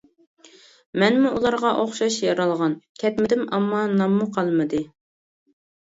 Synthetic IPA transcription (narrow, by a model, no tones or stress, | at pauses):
mɛnmuulˠɑɾʁɑʔoχʃɑʃjɑɾɑlˠʁɑnkʲʰɛt̪mɪd̪ɪmɑmːɑnɑmːuqʰɑlˠmɨd̪ɨ